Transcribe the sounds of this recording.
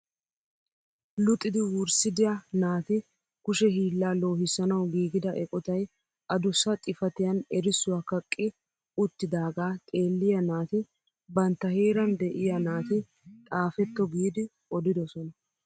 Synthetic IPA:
lʊt̪ʼːɪd̪ɪwʊɾsɪd̪ɪjɐnaːt̪ɪ | kʊʃɛɦiːlːaːlo̞ːɦɪsɐnɐwɡiːɡɪd̪ɐʔɛkʼɔt̪ɐj | ʔɐd̪ʊsɐt̪ʼɪfɐt̪ɪjɐnɛɾɪsːʊwaːkɐkʼːɪ | ʊt̪ːɪd̪aːɡaːt̪ʼe̞ːlːɪjɐnaːt̪ɪ | bɐnt̪ːɐheːɾɐnd̪ɛʔɪjɐnaːt̪ɪ | t̪ʼaːfɛt̪ːɔɡiːd̪ɪ | ʔɔd̪ɪd̪ɔsɔnɐ

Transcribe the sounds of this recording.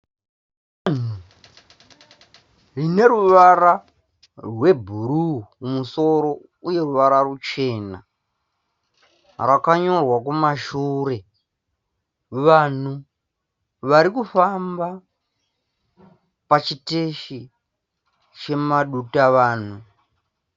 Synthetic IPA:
an̤u | rine̞ɾuʋara | rwe̞bʱuɾuːmuso̞ɾo̞ | uje̞ruʋaɾarut͡ʃe̞na̰ | rakaɲo̞rwakumaʃuːɾe̞ | ʋan̤u | ʋaɾikufamba | pat͡ʃite̞ʃi | t͡ʃe̞maɗutaʋaːn̤u

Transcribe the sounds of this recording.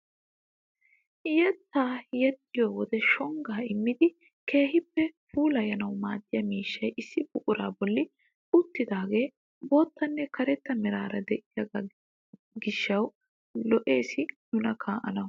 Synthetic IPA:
jɛt̪ːaːjɛt̪ːɪjoːwɔd̪ɛʃɔŋɡaːɪmːɪd̪ɪ | ke̞ːhɪpːɛfuːlɐjɐnɐwmaːt̪ːɪjɐmiːʃːɐjʔɪsːɪbʊʔʼʊɾaːbɔlːɪ | ʊt̪ːɪd̪aːɡe̞ː | bo̞ːt̪ːɐnːɛkɐɾɛt̪ːɐmɪɾaːɾɐd̪ɛʔɪjɐɡɐ | ɡɪʃːɐw | lɔʔe̞ːsɪnʊnɐkʰaːʔɐ̰nɐw

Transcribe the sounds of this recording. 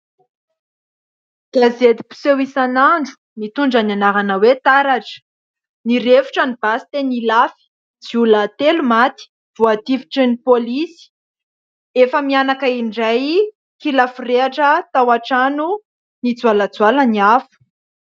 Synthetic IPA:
d̥azed̪ipu̥sewisanaɳɖ͡ʐu̥ | mit̪uɳɖ͡ʐananaɾanəwet̪aɾaʈ͡ʂə̥ | niɾevu̥ʈ͡ʂanib̥asi̥t̪enilafi̥ | d͡ziulat̪elumat̪i̥ | v̥uat̪ifi̥ʈ͡ʂənipolisi̥ | efəmianakaiɳɖ͡ʐaj | kilafureaʈ͡ʂət̪awaʈ͡ʂanu | nid͡zwalad͡zualəniafu̥

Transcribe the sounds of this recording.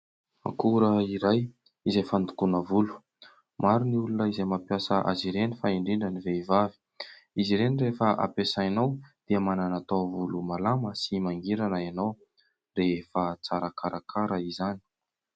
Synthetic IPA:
ma̰kuɾəiɾaj | izejfand̪ukunəvulu̥ | maɾiniulunəizejmapjasəʔa̰ziɾenifaiɳɖ͡ʐiɳɖ͡ʐəniveivavi̥ | iziɾenirefəʔa̰pesainawd̪̥iəmananat̪ovulumalaməsimaŋɡiɾanəanaw | refat͡saɾakaɾʔakʰaɾaizani̥

